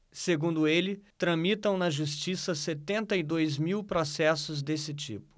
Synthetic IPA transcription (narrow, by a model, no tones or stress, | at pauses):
seɡũnd̪ʊelɪt̪ɾɐ̃mit̪ɐ̃w̃nɐʒust͡ʃisɐset̪ẽnt̪ɐid̪ojzmiwpɾosɛsʊzd̪esɪt͡ʃḭpʊ̥